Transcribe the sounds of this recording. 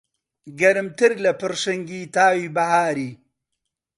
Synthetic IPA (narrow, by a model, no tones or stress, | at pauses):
ɡɐɾmt̪iɾlɐpɐɾʂɐŋɡit̪aːwibɐɦaːɾi